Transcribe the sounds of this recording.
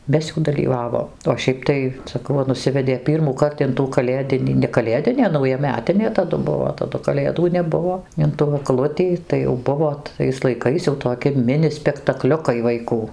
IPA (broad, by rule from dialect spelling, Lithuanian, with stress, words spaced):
ˈmʲɛs jɛʊ dɐlʲiːˈʋɑːʋoːm oː ˈʃʲɛɪp tɐɪ sɐˈkɐʊ ˈʋɐ nʊˈsʲɪʋʲɛdʲeː ˌpʲiːrmuːˈkɐrt ɪn tuː kɐˈlʲeːdʲɪnʲiː nʲɛ kɐˈlʲeːdʲɪnʲeː nɐʊjɛˈmʲæːtʲɪnʲeː tɐˈdʊ ˈbʊʋoː tɐˈdʊ kɐˈlʲeːduː nʲɛˈbʊʋoː ɪn tuː ɐɡˈlˠʊtʲiː tɐɪ jɛʊ ˈbʊʋoː tɐɪs lˠɐɪˈkɐɪs jɛʊ toːˈkʲɪ ˈmʲɪnʲɪ sʲpʲɛktɐˈklʲʊkɐɪ ʋɐɪˈkuː